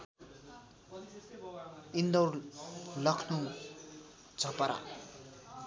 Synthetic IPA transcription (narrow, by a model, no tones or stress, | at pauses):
ind̪ʌwrlʌkʰnu | d͡zʱʌpaɾa̰